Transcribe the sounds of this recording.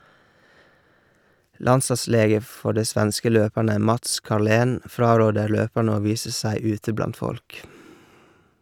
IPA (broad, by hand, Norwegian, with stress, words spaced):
ˈlɑnsɑˌsleːɡə ˈfɔ ˈɖiː ˈsʋænskə ˈløːpæɳə ˈmɑts kɑɾˈleːn ˈfɾɑːˌɾoːdəɾ ˈløːpæɳ ˈoː ˈʋiːsə ˈsæɪ ˈʉːtə ˈblɑnt ˈfɔlk